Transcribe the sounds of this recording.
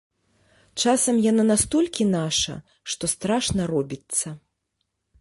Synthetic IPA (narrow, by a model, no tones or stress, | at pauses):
t͡ʂasɐmjananast̪ɔlʲkʲinaʂɐ̰ | ʂt̪ɔst̪ɾaʂnɐɾɔbʲit̪sːɐ